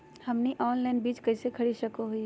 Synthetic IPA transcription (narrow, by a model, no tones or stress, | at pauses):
hɐmniʔɔːnlaːnbiːt͡ʃkɐɪsekʰɐɽiʃɐkoɦʊi